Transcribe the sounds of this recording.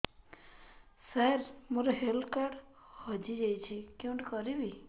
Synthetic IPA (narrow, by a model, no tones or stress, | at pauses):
saɾmoɾɔɦelkaɽ | hɔd͡ʒid͡ʒajt͡ʃʰikiũɳʈkɔɾibi